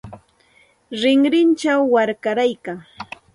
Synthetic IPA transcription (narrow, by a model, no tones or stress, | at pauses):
ɾɪŋɾɪnt͡ʃawːaɾkaɾajkaŋ